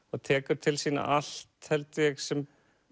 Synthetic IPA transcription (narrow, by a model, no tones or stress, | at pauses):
aðt̪ʰɛːkʏɾ̥t̪ʰɪlsiːna̰ʔal̥t̪hɛlt̪jɛɣsɛm